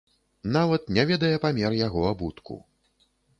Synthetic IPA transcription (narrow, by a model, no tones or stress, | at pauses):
navɐt̪̚nʲɛvʲɛd̪ɐjɛpamʲɛrjaɣɔabut̪kʰṵ